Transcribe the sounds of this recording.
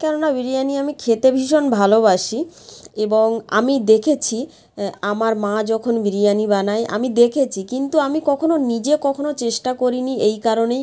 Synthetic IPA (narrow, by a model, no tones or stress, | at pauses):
kɛnonabiɾijaniamikʰet̪ebʱiʃonbʱalobaʃieboŋa̰mid̪ekʰet͡ɕʰi | amaɾmãd͡ʑɔkʰonbiɾijanibanaeʔa̰mid̪ekʰet͡ɕʰikint̪uamikɔkʰononid͡ʑekɔkʰonot͡ɕeʃʈakoɾiniejkaɾonej